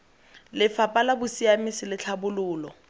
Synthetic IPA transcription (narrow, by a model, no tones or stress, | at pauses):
lɪfapʼalabʊsiamɪsɪlɪt͡ɬʰabʊlʊːlɔ